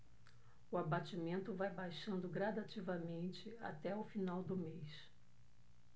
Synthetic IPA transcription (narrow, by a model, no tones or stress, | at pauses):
ʊabat͡ʃimẽnt̪ʊvajbajʃɐ̃nd̪ʊɡɾad̪at͡ʃivɐmẽnt͡ʃɪa̰t̪ɛʊfinawd̪ʊmejs